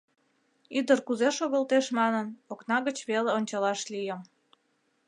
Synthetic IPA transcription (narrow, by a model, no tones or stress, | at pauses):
yd̪ərkuzeʃoɣəlt̪eʃmɑnənoknɑɣət͡ɕβeleonʲt͡ɕɑlɑʃlijəm